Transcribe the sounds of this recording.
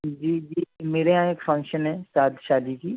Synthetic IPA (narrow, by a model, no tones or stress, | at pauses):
d͡ʒiːd͡ʒiːmeːɾeɦãekfʰɐ̃ŋkʃənɦɛ̃ːsaːd̪ʃaːd̪ikiː